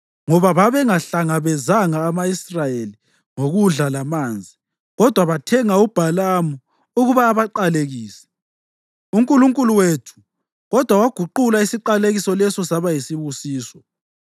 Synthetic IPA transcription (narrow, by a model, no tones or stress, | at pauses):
ŋɔβaβaβɛŋaɬaŋaβɛzaŋaːmaisrajeli | ŋoɣuɮalamaːnd͡zʱi | ɣɔd̥ʱwaβatʰɛŋaub̥ʱalamu | uɣuβaːβaǃaleɣiːsɛ̥ | uŋkʼuluŋkʼuluwetʰu̥ | ɣɔd̥ʱwawaɡ̥ʱuǃulaisiǃaleɣisɔlɛsɔsaβajisiβusiːsɔ